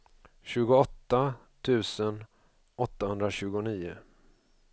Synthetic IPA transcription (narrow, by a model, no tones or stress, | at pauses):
ɕʉ̟ːɡʊɔt̪ːa | t̪ʰʉ̟ːsən | ɔt̪ːahɵnd̪ɾaɕʉ̟ːɡʊniːʊ